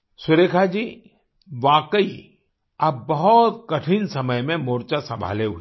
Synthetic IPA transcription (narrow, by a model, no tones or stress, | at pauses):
sʊɾeːkʰad͡ʒiː | ʋaːkəi | ɐbbɐɦʊt̪kɐʈʰinsɐməjmẽmoːɾt͡ʃasɐ̃mbʱa̰ːleɦuiː